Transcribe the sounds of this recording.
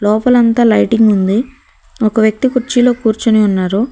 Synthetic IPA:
lɔːpɐlɐnt̪aːlɐjʈiŋɡund̪i | ɔkɐʋjɐk̚t̪ikuɾt͡ʃilo̞ːkuːɾt͡ʃuniunːaːɾu

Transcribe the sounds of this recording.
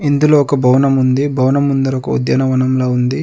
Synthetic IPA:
ind̪uloːɔkɐbʱɐwnɐmund̪ibʱɐwnɐmund̪ɐɾɔkɐ̰ṵd̪jɐnɐʋɐnɐmloːund̪i

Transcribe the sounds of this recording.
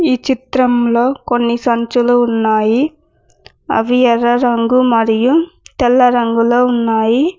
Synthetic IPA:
it͡ʃɪt̪ɾɐmlokɔɳːisɐnt͡ʃɯlɯʊnːaːji | ɐ̰ʋɪjɐɾɐɾɐŋɡɯmɐɾɪjɯ̃t̪ɛlːɐɾɐŋɡɯlɐʊnːaːji

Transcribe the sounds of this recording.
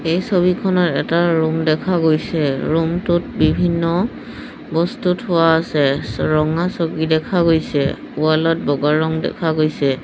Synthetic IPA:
ejsobikʰɔnɔtɛtaɹumdɛkʰaɡojsɛɹumtʊtbibʱinːɔ | bɔstutɦʊwaːsɛɹɔŋasoɡidɛkʰaɡojsɛ̰ | ualɔt̚bɔɡaɹɔŋdɛ̰kʰaɡojsɛ

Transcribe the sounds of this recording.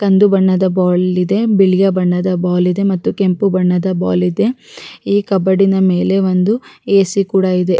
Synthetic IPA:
kɐnd̪ubɐɳːɐd̪ɐbaːlid̪e̞biɭijɐbɐɳːɐd̪ɐbaːlid̪e̞mɐt̪ːuke̞mpubɐɳːɐd̪ɐba̰ːlid̪e̞iːkɐbɐɽinɐme̞ːle̞ʋond̪ueːsikuːɽɐid̪e̞

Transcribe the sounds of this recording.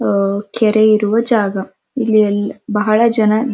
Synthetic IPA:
kʰɛɾeiɾuʋɐd͡ʒaːɡɐ | ilːijɐlːibɐɦɐɭɐd͡ʒɐnɐ

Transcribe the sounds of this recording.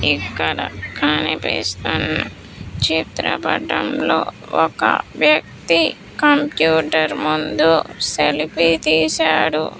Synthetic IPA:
ikːɐɽɐkʰɐnipiːst̪unːɐ | t͡ʃit̪ɾɐpɐɖːɐmloː | ɔkɐ̰ʋjɐk̚t̪i | kɐmpjuːʈɐɾmund̪uselipit̪iːsaːɽṵ

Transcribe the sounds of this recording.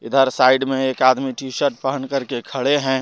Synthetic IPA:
ɪd̪ʱəɾsaːɪɖmẽeːkaːd̪miʈiːʃəɾʈ̚pəɦənkɐɾkekʰɐɽeɦɛ̃ː

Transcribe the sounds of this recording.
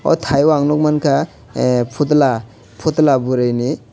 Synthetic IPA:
ɔ̰t̪ʰajwaŋnɔk̚mankʰa | pʰut̪la | pʰut̪labuɾajni

